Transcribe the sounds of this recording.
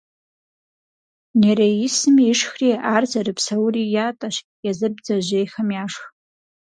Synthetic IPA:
neɾaisɨmiʂxriarzarɨpʰsawrijatʼaʃ | jazɨbd͡zaʒʷejχamjaʂχ

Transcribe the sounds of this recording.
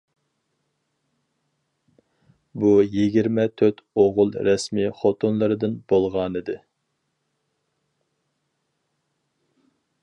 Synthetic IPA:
bujiɡʲiɾmɛt̪ʰøt̪oʁʊlˠɾɛsmiχot̪ʰonlˠɨɾɨd̪ɨnb̥olˠʁɑnɨd̪ɨ

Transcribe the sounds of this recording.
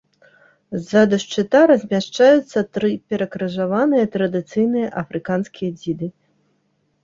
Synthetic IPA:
zad̪ɐʂt͡ʂɨt̪aɾɐzʲmʲaʂt͡ʂajut̪sːɐt̪ɾɨpʲɛɾɐkɾɐʐavanɨjɐt̪ɾɐd̪ɨt̪sɨjnɨjɐʔɐfɾɨkanskʲijɐd͡zʲid̪ɨ

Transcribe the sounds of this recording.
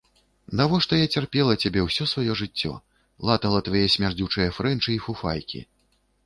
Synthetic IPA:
nd̪avɔʂt̪ɔjat͡sʲarpʲɛlˠɐt͡sʲabʲɛwsʲɔsvajɔʐɨt͡sʲːɔ̰ | lˠat̪ɐlˠɐt̪vajɛsʲmʲard͡zʲut͡ʂɐjɐfɾɛnt͡ʂɨifufajkʲḭ

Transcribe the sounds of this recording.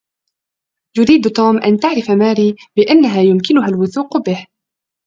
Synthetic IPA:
jʊɾiːd̪t̪uːmʔa̰nt̪aʕɾɪfamaːɾiːbɪʔanːaɦaːjʊmkɪnʊɦalwʊθuːqbɪh

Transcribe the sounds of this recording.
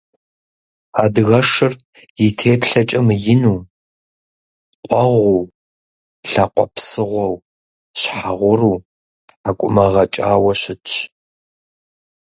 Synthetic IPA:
aːdɣɐʂɨr | jɪtʰeːpʰɬɐt͡ʃʼɐmjɪnuː | qʷʼɔʁʷuw | ɬɐqʷɔ̰pʰsɨʁʷɔw | ɕħaʁʷʊruː | akʷʼʊmɐʁɐt͡ʃʼaːwɐɕɪtɕ

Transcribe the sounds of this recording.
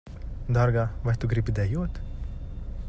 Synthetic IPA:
d̪aɾɡavajt̪uɡɾipid̪ɛjuɔt̪

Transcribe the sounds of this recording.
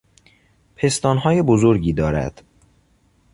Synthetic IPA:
pʰe̞st̪ɒːnɦɒːjebozoɾɟiːd̪ɒːɾæ̰d̪̥

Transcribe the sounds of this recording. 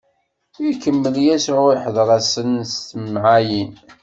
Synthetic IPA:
ikːəmːəljæsʕʊɾiħðˤɾˤæsənst̪əmʕajin

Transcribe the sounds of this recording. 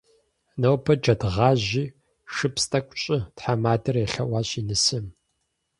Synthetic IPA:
nɐwpʰɐd͡ʒɐdʁɑːʑiː | ʂɨpstʼɐkʷʼɕʼɪtħamaːdɐrɛɬɐwɑːɕinɨsɨm

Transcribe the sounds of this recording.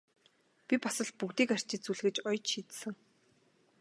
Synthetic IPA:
pʲipasə̆ɮ̚pukt̪iːkar̥ʲt͡ɕɪ̆t͡suɮɣɘ̆t͡ɕɔjt͡ɕʃiːt̪sɘ̆ŋ

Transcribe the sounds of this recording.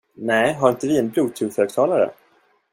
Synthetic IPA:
nɛːɦaɾɪnt̪əvɪɛnbluːt̪ʰʉføːɡ̚t̪ʰɑːlaɾə̰

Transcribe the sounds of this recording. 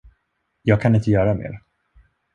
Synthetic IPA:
jɑːɡ̚kʰanɪnt̪əjœːɾamḛːɾ

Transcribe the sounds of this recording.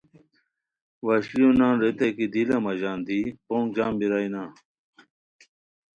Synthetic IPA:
wɐɕlijonãːnɾet̪ekid̪ilɐmɐʑaːnd̪ipoːŋd͡ʑaːmbiɾajnaː

